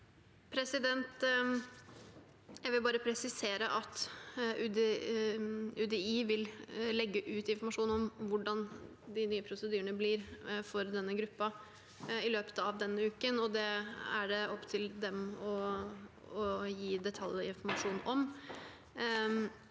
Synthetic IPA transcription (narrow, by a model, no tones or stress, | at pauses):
pʰɾɛsɪd̪ɛnt̪ | jæɪʋɪlbɑːɾəpʰɾɛsɪseːɾəʔɑt̪ʉd̪ | ʉːd̪ɛiːʋɪllɛɡːəʔʉːt̪ɪnfɔɾmɑʂuːnɔmʋʊɖɑn | d̪ɪnyːəpʰɾʊsəd̪yːɾəɳəblɪɾfɔɾd̪ɛnːəɡɾʉpːɑ | ɪløːpə̥t̪əɑʋd̪ɛnːəʉːkənɔd̪ɛæɖɛɔpːt̪ʰɪld̪ɛmɔ | ɔjiːd̪ɛt̪ʰɑljɪnfɔɾmɑʂuːnʔɔm